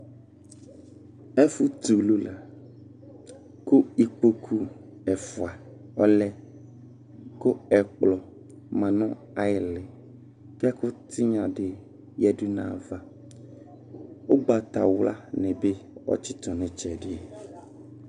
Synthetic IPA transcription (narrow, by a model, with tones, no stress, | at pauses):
ɛ˦fu˦t̪u˨lu˦la˨ | kʊ˦i˨k͡po˦kʰu˦ɛ˨fʊ˨a˨ | ɔ˦lɛ˦ | kʊ˦ɛ˨k͡plɔ˨ | mã˨nɔ̃˦ | a˨ɪ˨lɪ˨ | ki˦a˦kʊ˦t̪ʰɪ˦ɲã˨ɖɪ˨ | jɛ˦dʊ˦nã̰˨va˦ | wo˦ɡ͡ba˨t̪a̰˨wla̰˦nɪ̃˨be˦ɔ̰˦t͡ʃɪ˦t̪ɔ̃˨nɪ̃˨t͡ʃɛ˨dɪ˦ɛ˨